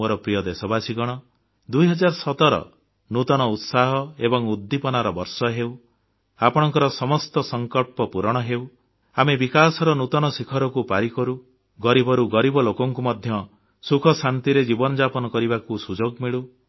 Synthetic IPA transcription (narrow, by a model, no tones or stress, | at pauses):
oɾɔpɾijɔd̪esɔbasiɡɔɽ̃ɔ | d̪ujɦɔd͡ʒaɾɔsɔt̪ɔɾɔ̰ | nut̪ɔɽ̃ɔut̪saɦɔebɔŋud̪ːipɔnaɾɔbɔɾsɔɦew | apɔɽ̃ɔŋkɔɾɔsɔmɔst̪ɔsɔŋkɔlpɔpuɾɔɽ̃ɔɦew | amebikasɔɾɔnut̪ɔñɔsikʰɔɾɔkupaɾikɔɾu | ɡɔɾibʱɔɾuɡɔɾibɔlokɔŋkumɔd̪ʱjɔ | sukʰɔsant̪iɾed͡ʒibɔnɔd͡ʒapɔnɔkɔɾibakusud͡ʒoɡmiɭu